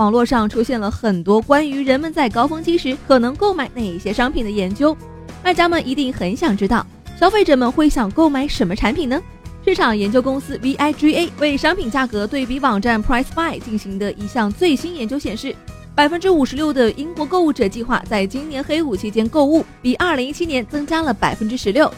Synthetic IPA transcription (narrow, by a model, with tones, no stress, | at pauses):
wɑ˨˩ŋlwɔ˥˧ʂɑ˥˩ŋʈ͡ʂʰu˥ɕjɛ˥˩nlə˩xə˨˩nt̪wɔ˥kwa˥ny˧˥ɻə˧˥nmə˧nt͡sa˥˩ɪkɑ˥ʊfɤ˥ŋt͡ɕi˥ʂɻ̩˧˥kʰɤ˨˩nɤ˧˥ŋko˥˩ʊma˨˥ɪna˥˧˩ɪ˩ɕjɛ˥ʂɑ˥ŋpʰi˨˩nd̪ə˦jɛ˧˥nt͡ɕjo˥ʊ | a˥˧˩t͡ɕja˥mə˨nʔi˧˥t̪i˥˩ŋxə˧˥nɕjɑ˨˩ŋʈ͡ʂɻ̩˥t̪ɑ˥˩ʊ | ɕjɑ˥ʊfe˥˩ɪʈ͡ʂɤ˨˩mə˧nxwe˥˩ɪɕjɑ˨˩ŋko˥˩ʊma˧˩ɪʂə˧˥nmə˧ʈ͡ʂʰa˧˥npʰi˨˩nnə˦ | ʂɻ̩˥˩ʈ͡ʂʰɑ˨˩ŋjɛ˧˥nt͡ɕjo˥ʊkʊ˥ŋsɹ̩˥vi˧˥ʔa˥ɪʈ͡ʂi˥e˥ɪwe˥˩ɪʂɑ˥ŋpʰi˨˩nt͡ɕja˥˩kɤ˧˥t̪we˥˩ɪpi˧˥wɑ˨˩ŋʈ͡ʂa˥˩npʰɹa˥ɪspa˥˩ɪt͡ɕi˥˩nɕi˧˥ŋd̪ə˧ʔi˧˥˩ɕjɑ˥˧ŋt͡swe˥˩ɪɕi˥njɛ˧˥nt͡ɕjo˥ʊɕjɛ˨˩nʂɻ̩˥˩ | pa˨˩ɪfə˥nʈ͡ʂɻ̩˥u˨˩ʂɻ̩˧˥ljo˥˩ʊd̪ə˩ʔi˥ŋkwɔ˧˥ko˥˧ʊu˥˩ʈ͡ʂɤ˨˩t͡ɕi˥˧xwa̰˥˧t͡sa˥˩ɪt͡ɕi˥ŋnjɛ˧˥nxe˥ɪu˨˩t͡ɕʰi˧˥t͡ɕjɛ˥nko˥˧ʊu˥˩pi˨˩ʔɐ˞˥˩li˧˥ŋi˥t͡ɕʰi˥njɛ˧˥nt͡sɤ˥ŋt͡ɕja˥lə˨pa˨˩ɪfə˥nʈ͡ʂɻ̩˥ʂɻ̩˧˥ljo˥˩ʊ